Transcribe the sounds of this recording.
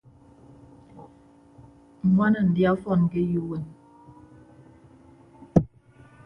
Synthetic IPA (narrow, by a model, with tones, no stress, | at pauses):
ŋ̩˨ŋwa˦nə˨n̩˨dja˦fɔ˦˨n˨ke˦ju˦wɛ˨n